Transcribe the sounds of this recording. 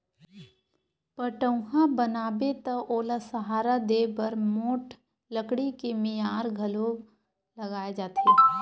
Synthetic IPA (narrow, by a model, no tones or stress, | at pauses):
pəʈə̃ʊɦãbənaːbet̪ɐʔoːlasɐɦaːɾad̪eːbɐɾmoːʈ | ləkɽikemɪjaːɾɡʱɐlo | lɐɡaːed͡ʒaːt̪ʰeː